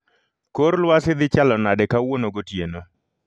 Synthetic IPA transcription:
koɾlwasɪd̪ɪt͡ʃalɔnadɛkawonoɡotjeno

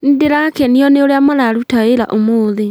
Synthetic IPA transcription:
n̩deɾakɛniɔneoɾeamaðaɾutaeɾa̰ʔomoðe

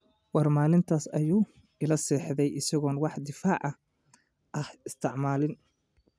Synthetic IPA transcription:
wɑrmaːlɪnt̪ʰaːsɐ̰juː | ɪlɐsɛːħðɛjʔɪsɐɣɔːnwɑħd̪ɪfaːʕɑ | ʔɐhɪst̪ʰɪʕmaːlɪn

